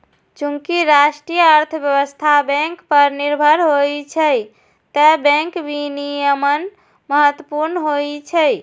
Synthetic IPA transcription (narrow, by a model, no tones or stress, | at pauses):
t͡ʃuŋkiɾasʈɾijəːɾt̪ʰəbjəbəst̪ʰabɛ̃ŋkpəɾniɾbʱəɾɦojt͡ʃʰə | t̪əbɛ̃ŋkbʱinijəmən | məɦət̪ːwəpuɾnəɦojt͡ʃʰəj